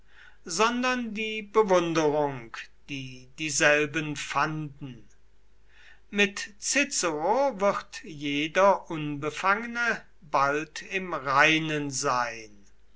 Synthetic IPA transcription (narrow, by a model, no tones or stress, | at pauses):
zɔndɐndiːbəvʊndəʁʊŋkd̥iːd̥iːzɛlbənfandn̩ | mɪtt͡sɪt͡səʁovɪʁtjeːdɐʔʊnbəfaŋənə | baltɪmʁaɪnənzaɪn